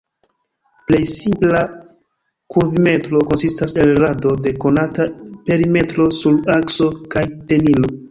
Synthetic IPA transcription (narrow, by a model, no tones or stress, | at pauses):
ple̞jsimpla | kuɾvime̞tɾo̞ko̞nsistase̞lɾado̞de̞ko̞natape̞ɾime̞tɾo̞sulakso̞kajte̞nilo̞